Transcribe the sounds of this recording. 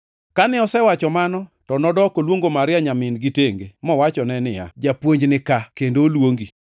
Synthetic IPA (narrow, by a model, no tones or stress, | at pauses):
kanɪɔsɛwat͡ʃɔmanɔtɔnɔdɔkolwoŋɡomaɾɪaɲamɪnɡɪteŋɡemɔwat͡ʃɔnɛnɪja̰d͡ʒapwoɲd͡ʒnɪkakendolwoŋɡi